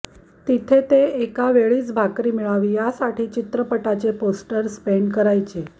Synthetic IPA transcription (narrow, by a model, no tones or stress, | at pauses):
t̪it̪ʰet̪eekaʋeɭiːt͡sbʱakɾiːmiɭaʋiːjasaʈiːt͡ɕit̪ɾəpəʈat͡seposʈəɾspeɳɖkəɾajt͡ɕe